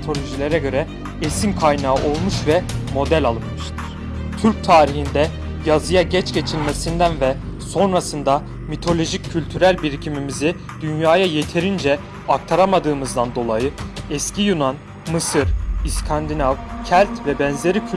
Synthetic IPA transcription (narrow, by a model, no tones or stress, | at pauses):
t̪ʰo̞lʲo̞ʒilʲe̞ɾɛɟø̞ɾɛ | esimkʰajnaːʔo̞lˠmuʃvɛmo̞d̪ælʲalˠɯmʃ | t̪ʰyɾc̚t̪ʰaːɾihind̪ɛ | jazɯjaɟɛt͡ʃɟe̞t͡ʃʰilʲme̞sind̪ænvɛso̞nɾasɯnd̪a | mit̪ʰo̞lʲo̞ʒicʰːylʲt̪ʰyɾælʲbiɾcʰimimizi | d̪̥ynjaːjaje̞t̪ʰe̞ɾind͡ʒɛ | ak̚t̪ʰaɾamad̪ɯːmɯzd̪and̪o̞lˠajɯɛscijunan | mɯsɯɾiskʰand̪inavcʰælʲt̪vɛbɛnze̞ɾicʰy